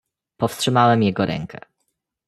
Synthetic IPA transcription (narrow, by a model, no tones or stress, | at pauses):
pɔfstʂɘmawɛmjɛɡɔɾʔɛ̰ŋkʰɛ̰